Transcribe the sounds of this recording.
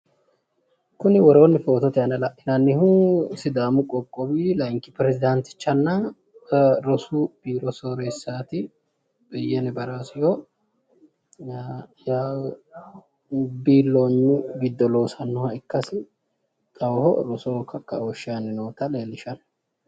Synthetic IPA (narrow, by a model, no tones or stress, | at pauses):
kʊnɪwɔɾo̞ːnːɪfo̞ːt̪ɔt̪ɛɐnɐlɐʔʔɪnɐnːɪhuːsɪd̪aːmʊkʼɔkʼːɔbiːlɐŋkɪpɾɛzɪd̪ɐnt̪ɪ̥t͡ʃːɐnːɐ | ɾɔsub̥iːɾɔsoːɾeːsːaːt̪ɪ | b̥ɪjːɛnɛbɐɾasɪjo | jaː | biːlːoːɲːʊɡɪd̪ːɔlo̞ːsɐnːʊhɐɪkːɐsɪ | k̪ʼɐwhɔɾɔsoːkɐkːɐ̰wɔʃːɪjanːɪnoːt̪ɐleːlɪʃɐn